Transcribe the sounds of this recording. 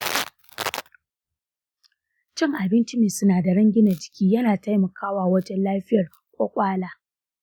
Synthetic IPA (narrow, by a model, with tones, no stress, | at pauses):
t͡ʃɪ˦˨ŋʔa˨bɪ˦nt͡ʃɪ˦niː˨sʊ˦naː˨da˨ɽɐ˦ŋɡʲɪ˦na˨d͡ʒɪ̥˨kʲʰiː˦jɐ˦naː˨ta˦jmɐ˨kaː˦waː˨wɐ˦d͡ʒɛ˦nlaː˦ɸɪ˦jɐ˨r | kʷʼoː˦kʷʼaː˦laː˦